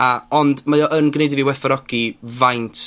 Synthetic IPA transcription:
aɔndmajɔʔənɡnejdɪviwɛθɔɾɔɡ̥ivajntʰ

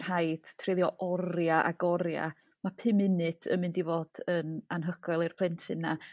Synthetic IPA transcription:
rhajd̥tʰrɪðjɔʔɔɾjaʔa̰ɡɔɾja̰ | mapʰɨmɪnɨd̥ə̰mɨndivoːd̥ənanɦəɡɔlˠɨrpʰlˠɛntʰɪna

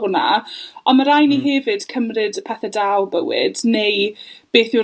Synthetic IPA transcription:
ʊna̰ɔnmaɾajniɦɛvɨd̥kʰəmrɨdəpʰɛθɛdalˠbəwɪ̰dnejb̥eːθu

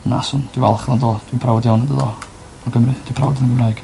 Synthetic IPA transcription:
na̰sʊnd̥ivalˠχnˠandoːd̥winpʰrawdjɔnəndəðɔ | ɔɡəmrɨd̥ipʰra̰wdənnɡəmrajɡ̥

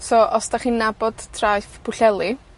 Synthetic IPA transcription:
sɔʔɔsd̥aχiːnːabɔd̥tʰrajfb̥ʊɬɛlˠi

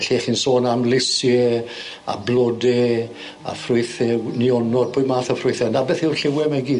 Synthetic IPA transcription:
ɬiχinsoːnamlɪsjɛ | a̰blɔdɛ | a̰frʊɨθɛwniɔnɔd̚pʰoːɨmaːθəfrʊjθɛndabɛθɪwrɬɪwɛmɛɡiː

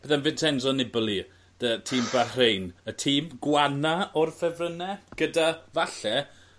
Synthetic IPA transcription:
b̥əðɛnvɪntʰɛnzɔnɪbɔlˠi | d̥ətʰiːmbahejnətʰiːmɡ̥wanaɔrfɛvrənɛɡ̥ədavaɬɛ

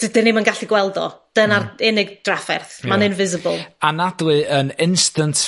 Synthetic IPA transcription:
d̥ədɨnimanɡaɬiɡwɛlˠdɔ̰d̥ənarɛnɪɡ̚d̥rafɛ̰rθmanɨnvɪzɪbə̰lˠanadwɨənɪnstəntʰ

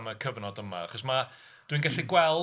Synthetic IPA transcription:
məkʰəvnɔdəma̰aχɔsma | d̥winɡaɬiɡwɛl

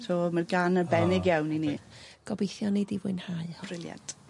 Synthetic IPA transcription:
soːmərɡanəbɛnɪɡjawniniɡ̥ɔbejθjɔnedivʊɨnhaɨrɪlˠja̰d̥

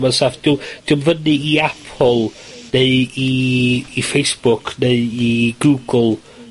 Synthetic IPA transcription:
mansaːfd̥ɪwd̥ɪwmvənɨiapʰɔlˠ | neɨiː | fejsb̥ʊkʰneɨiɡ̥uːɡəlˠ

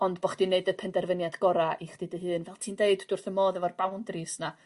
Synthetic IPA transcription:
ɔndbɔχd̥ineɨdəpʰɛndɛrvənjadɡɔɾaʔiχd̥ɨdəɦɨːnvɛlˠtʰiːndeɨdd̥ʊrθəmoːðəvɔrbawndrisna

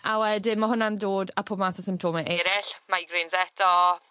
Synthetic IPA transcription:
awɛdɪmaɦʊnandoːdapʰoːbmatʰɔsɪmp̚tʰoːmɛʔeɾɪɬmajɡɾɪnzɛtʰɔ

